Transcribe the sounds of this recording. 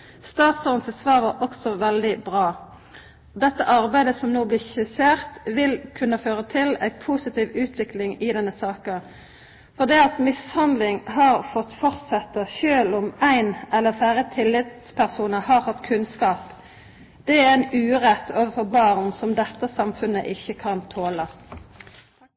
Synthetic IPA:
st̪ɑːt̪sɔːnəsəsʋɑːʁʋɑʁɔksɔʋɛld̪ɪbʁɑː | d̪ɛt̪ːəʔɑʁbæɪd̪əsɔmnoːblɪçɪseːʁt̪ʋɪlkʰʉnːəføːʁət̪ʰɪlæ̰ɪpʰuːsɪt̪ʰiːʋʉːt̪ʰʋɪklɪŋɪd̪ɛnːəsɑːkə | fɔʁd̪iːɑt̪mɪshɑnd̪lɪŋɦɑːʁfɔt̪ːfɔʁt̪sɛt̪ːəʃøːlɔmæɪnɛlːəfæːʁət̪ʰɪlːɪt̪spʰæʁsuːnəhɑːɾhɑt̪ːkʰʉnskɑːp | d̪̥ɛæænʉːʁɛt̪ːʰoːʋəfɔʁbɑːʁnsɔmd̪ɛt̪ːəsɑmfʉnə̰ʔɪçːəkʰɑnt̪ʰoːlə

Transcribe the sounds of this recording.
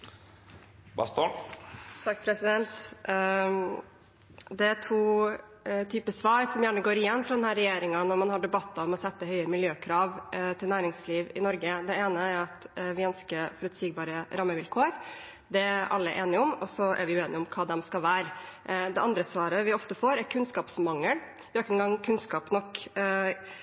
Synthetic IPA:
bɑ̰st̪o | t̪ʰɑkːpʰɾɛsɪd̪ɛnt̪ | d̪ɛæʈ̪ʰuː | t̪ʰyːpəsʋɑːɾsɔmjæːɳəɡoːɾɪjɛnːfɾɑd̪ɛnhæːɾɛjeːɾɪŋɑnɔɾmɑnhɑɖɛbɑt̪ːɑɔmɔsɛt̪ːəɦœʏəmɪljøːkʰɾɑːʋt̪ʰɪlnæːɾɪŋsliːʋɪnɔɾɡəd̪ɛeːnəæɾɑt̪ʋɪœnskəfɔɾʉt̪siːɡbɑːɾəɾɑmːəʋɪlkʰoːɾ | d̪ɛæɾʔɑ̰lːəʔeːnɪɔmɔsɔʔæ̰ɾʋɪjʉeːnɪʊmkʰɑːd̪ɛmskɑlʋæːɾd̪ɛʔɑnd̪ɾəsʋɑːɾəʋɪɔft̪əfoːɾæɾkʰʉnskɑːpsmɑŋːəl | ʋɪɔkːəɛnɡɑŋːkʰʉnskɑːpnɔkː

